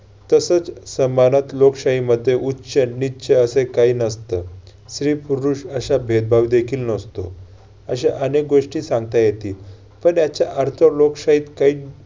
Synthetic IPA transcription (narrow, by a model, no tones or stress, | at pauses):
t̪əsət͡ssəmanat̪lokɕaɦiməd̪ʱːjeʔutːɕənːiːɕʰeəsekaiːnəst̪əː | sɾiːpuɾuːʂəɕabʱed̪̚bʱaʋd̪ekʰiːlnəst̪o̰ | əɕeʔənek̚ɡoʂʈiːsãŋɡt̪ajet̪iːl | pəɳjat͡ɕjaʔəɾt̪ʰəlokɕaɦiːt̪kaɦiː